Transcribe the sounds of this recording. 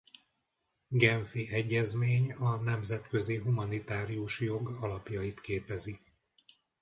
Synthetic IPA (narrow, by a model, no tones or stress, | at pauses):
ɡɛɱfiɛɟːɛzmeːɲɒnɛmzɛt̪køziɦumɒnit̪aːɾiuʃjo̞ɡɒlɒpjɒjit̪keːpɛzi